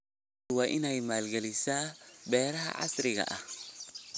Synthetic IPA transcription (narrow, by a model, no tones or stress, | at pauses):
waːʔɪnɛjmaːlɡɛlɪsaːbɛːɾɐɦɐ̰ʕɑ̰sɾɪɣɐ̰ʔɐh